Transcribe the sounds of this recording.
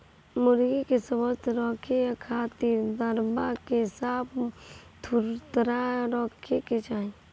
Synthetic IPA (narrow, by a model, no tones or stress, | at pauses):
mʊɾɡikesəbət̪ɾɔːkʰejakʰaːt̪iɾd̪əɾbakesaːpt̪ʰuɾt̪ɾaɾɔːkʰeket͡ʃaːĩ